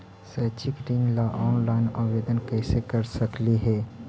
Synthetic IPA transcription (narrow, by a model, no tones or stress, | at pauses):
sət͡ʃikɾinlaʔɔːnlaɪnaʋed̪ənkəɪsekəɾsəkliɦɛ